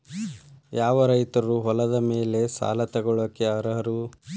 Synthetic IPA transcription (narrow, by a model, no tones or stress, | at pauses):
jaːʋɐɾɐjt̪ɐɾuɦɔlɐd̪ɐme̞ːle̞sa̰ːlɐt̪ɛɡɔɭokːeɐɾɐɦɐɾu